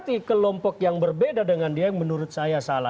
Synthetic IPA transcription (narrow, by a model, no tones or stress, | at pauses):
t̪ikəlɔmpɔk̚jaŋbərbedadəŋandiajŋmənuɾʊt̪̚sajasala